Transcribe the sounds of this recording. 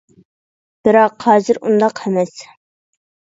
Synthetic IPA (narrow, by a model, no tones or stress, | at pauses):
b̥ɨɾɑqhɑːzɨɾṵnd̪ɑqhɛmɛs